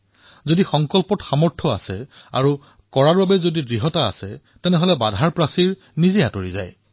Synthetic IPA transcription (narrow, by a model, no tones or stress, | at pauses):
zodixɔŋkɔlpɔtxamɔɹtʰɔa̰sɛa̰ɹu | kɔɹaɹbabɛzodidɹiɦɔta̰ːsɛ | tɛnɛɦɔlɛbadʱaɹpɹasiɹ | nizɛjatoɹiza̰j